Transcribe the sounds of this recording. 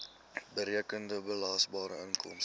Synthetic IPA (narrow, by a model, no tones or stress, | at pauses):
bəɾiəkəndəbəlɑːsbɑːɾə̰əŋkɔ̰ms